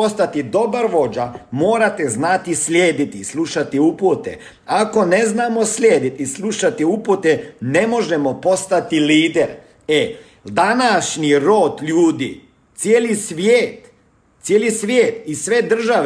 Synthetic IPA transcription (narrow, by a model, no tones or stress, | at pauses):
ost̪at̪id̪o̞baɾʋo̞d͡ʒamo̞ːɾat̪eznat̪islʲjeːd̪it̪islˠuʃat̪iuput̪ḛ | ako̞neznaːmo̞slʲjeːd̪it̪islˠuʃat̪iuput̪ene̞mo̞ʒemo̞po̞st̪at̪iliːd̪eɾ | e | d̪anaʃniɾo̞ːt̪ʎuːd̪ḭ | t̪sjeːlisʋjeːt̪ | sjeːlisʋjeːt̪isʋe̞d̪r̩ʒaʋ